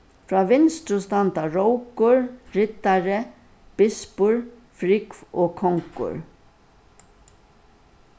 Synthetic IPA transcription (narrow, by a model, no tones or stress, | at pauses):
fɾaːʋɪnst̪ɾʊst̪ant̪aɹowkʊɹɾɪt̪aɾɪ | b̥ɪspʊɹ | fɾɪkvoːkʰɔŋkʊ̰ɹ